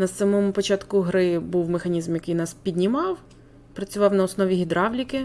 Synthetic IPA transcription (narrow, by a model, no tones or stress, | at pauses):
nɐsamɔmʊpɔt͡ʃɑt̪kʊɦɾɪbuwmexɐnʲizmjɐkɪjnɑspʲid̪ʲnʲimɑw | pɾɐt͡sʲʊʋɑwnɐɔsnɔʋʲiɦʲid̪ɾɑwlʲikɪ